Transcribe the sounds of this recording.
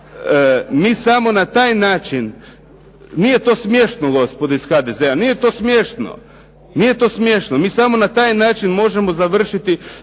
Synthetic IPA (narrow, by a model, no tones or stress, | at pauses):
miːsamo̞nat̪aːjnaːt͡ʃin | nije̞t̪o̞ːsmje̞ʃt̪noɡo̞spod̪oisxad̪eze̞anije̞t̪o̞ːsmjeʃt̪no̰ | nije̞t̪o̞ːsmjeʃnomiːsamo̞nat̪aːjnaːt͡ʃinmo̞ʒe̞mo̞zaʋr̩ʃit̪i